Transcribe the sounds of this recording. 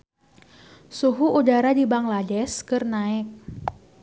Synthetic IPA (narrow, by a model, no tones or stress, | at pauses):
suɦuʔudaɾadibaŋlad͡ʒɛskɨrnaɪk̚